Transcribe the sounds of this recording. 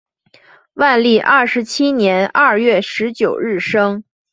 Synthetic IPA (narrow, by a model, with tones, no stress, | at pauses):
wa˥˧nli˥˩ʔɐ˥˩ʂɻ̩˧˥t͡ɕʰi˥njɛ˧˥nɐ˥˧ɥɛ˥˩ʂɻ̩˧˥t͡ɕjo˨˩ʊɻɻ̩˥˩ʂɤ˥ŋ